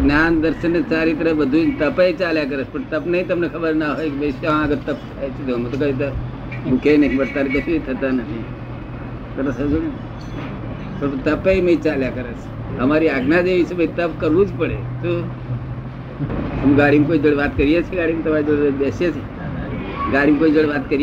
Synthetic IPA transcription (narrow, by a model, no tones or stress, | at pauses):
ɡnjand̪əɾɕənt͡saɾit̪̬əɾəbəd̪ʱuːnt̪əpəit͡saljakəɾət͡spəɳt̪əpnait̪əmnekʰəbəɾnaɦojkibəsãəɡəɾt̪əp̚t͡sʰajt͡sit̪omət̪okad̪ʱit̪ə | bukʰejnəɦibəɽt̪aɾkəsiit̪ʰət̪anaɦi | kəɾəsad͡zu | pəɳt̪ɐpəiməit͡ʃaljakəɾəs | ɦəmaːɾiaɡnad̪eʋit͡ʃʰebʱəit̪əpkəɾʋũd͡ʒpəɽet̪o | ɦəmɡaːɽimkoːid͡ʒəɽeʋaːt̪kəɾijet͡ʃʰeɡaːɽimt̪ɐmaɾid͡ʒəɽebesjet͡ʃʰe | ɡaːɽimkoːid͡ʒəɽeʋaːt̪kəɾj